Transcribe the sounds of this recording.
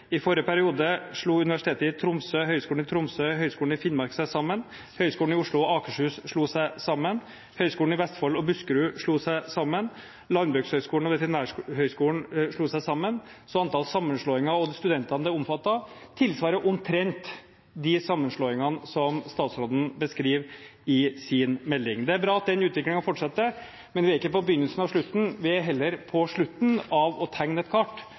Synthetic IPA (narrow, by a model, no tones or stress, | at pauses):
ɪfɔɾəpʰæɾɪuːd̪əʂɭuːʉnɪʋæʂɪt̪ʰeːt̪əɪt̪ʰɾʊmsøhœʏskuːɳnɪt̪ʰɾʊmsøɦœʏskuːlɳ̩ɪfɪnmɑɾksæsɑmːən | hœʏskuːlɳ̩ɪʊʂɭʊɔɑːkəʂhʉːsʂɭuːsæɪsɑmːən | hœʏskuːn̩ɪʋɛst̪fɔlːɔbʉskɾʉːʂɭuːsæɪsɑmːən | lɑnbʉɡshœʏskuːlɳ̩ɔʋɛt̪əɾɪnæːhœʏskuːlɳ̩ʂɭuːsæɪsɑmːənsɔɑnt̪ʰɑlsɑmːənʂɭoːɪŋɑɔd̪st̪ʉd̪ɛnt̪ɑnəd̪æɔmfɑt̪ːɑt̪ʰɪlsʋɑːɾəʔʊmt̪ʰɾɛnt̪ | d̪ɪsɑmːənʂɭoːɪŋɑnsɔmst̪ɑːt̪sɾoːd̪n̩bəskɾiːʋɪsɪnmɛlːɪŋd̪ɛæɾbɾɑːɑt̪̚d̪ɛnʉːt̪ʋɪklɪŋɑfɔʈʂɑt̪ːə | mɛnʋɪæɾɪkːəpɔbəjʏnːəlsən̩ɑʋʂɭʉt̪ːn̩ʋɪɦɛlːəɾpʰɔʂɭʉt̪ːnɑʋɔt̪ʰæŋnɛt̪kʰɑʈː